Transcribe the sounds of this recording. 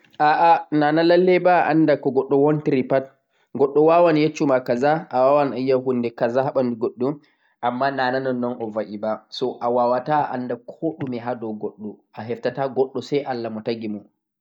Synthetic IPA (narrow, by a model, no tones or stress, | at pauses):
ʔaʔanaːnalalːɛbaʔandakɔɡɔɗːɔwɔntɾipat̚ | ɡɔɗːɔwawanjet͡ʃːumakazaʔawawanajːaɦundɛkazahaɓanduɡɔɗːɔ | ʔamːanaːnanɔnːɔnʔɔvaʔibasɔʔawawataʔa̰ndakʰoɗumiɦadɔɡɔɗːɔʔaɦɛftataɡɔɗːɔsajʔalːamɔtaɡimɔ